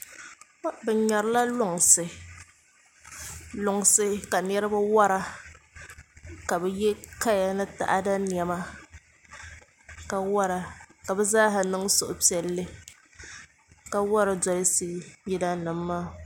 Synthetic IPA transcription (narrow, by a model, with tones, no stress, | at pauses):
bɛ˨ɲa˨ɾɨ˦la˦lʊ˦ŋ˨sɨ˨ | lʊ˨ŋ˨sɨ˦ka˨n˦ɛ˦ɾɨ˦ba˦wa˦ɾa˦ | ka˨bɛ˨jɛ˦ka˦ja˨nɨ˦ta̰˨ʔa˦da˦ni˨ɛ˨ma˦ | ka˨wa˦ɾa˨ka˨bɛ˦zaː˦ɦa˨nɨ˦ŋsʊ˨ʔʊ˨pi˦ɛ˨lːɨ˦ | ka˦wa˦ɾa˨dɔ˨lɨ˦siː˦jɛ˦da˦nɨ˨mː˦aː˦˨